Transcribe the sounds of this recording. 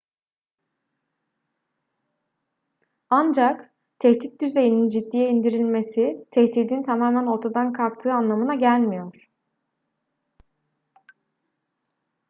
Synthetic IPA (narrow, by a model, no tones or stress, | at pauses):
and͡ʒak | t̪ʰɛt̪ʰit̪̚d̪yze̞jinind͡ʒid̪ːijɛind̪iɾilʲme̞sit̪ʰɛçt̪ʰiːd̪int̪ʰamaːmæno̞ɾt̪ʰad̪ankʰalˠk̚t̪ʰɯːanlˠamɯnaɟælʲmijo̞ɾ̥